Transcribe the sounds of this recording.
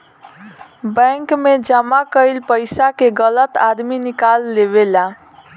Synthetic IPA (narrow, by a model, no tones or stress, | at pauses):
bə̃ŋkmed͡ʒəmakəjlpəɪsakeɡələt̪ad̪minikalːeβela